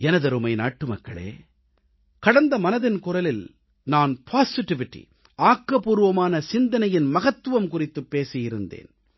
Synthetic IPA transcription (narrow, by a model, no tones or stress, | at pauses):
ɛnɐðɐɾɯmɐɪna̰ːʈːɯmɐkːɐ̰ɭḛː | kɐɽɐnd̪ɐmɐnɐðɪnkʊrɐlɪl | naːnpʰaːsɪʈːɪʋɪʈːḭ | aːkːɐpuːɾɯʋɐmaːnɐsɪnd̪ɐnɐjɪnmɐɣɐt̪ːɯʋɐmkʊrɪt̪ːɯpːeːsɪjɪɾɯnd̪ḛːn